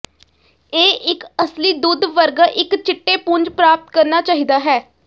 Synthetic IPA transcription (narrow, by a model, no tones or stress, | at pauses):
eːʔɪkəsliːd̪ʊd̪ʋəɾɡʔɪkt͡ʃɪʈːeːpʊɲd͡ʒpɾaːp̚t̪̚kəɾnaːt͡ʃaːɦiːd̪aːɦɛː